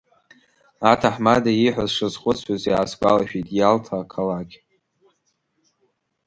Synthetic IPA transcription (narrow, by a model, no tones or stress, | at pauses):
atʰaħmadaiħʷᶣazʂɨzχʷʼʊt͡sʷʰwazjaːsɡʷa̰laʃᶣitʼjaltʰakʰalaɡʲ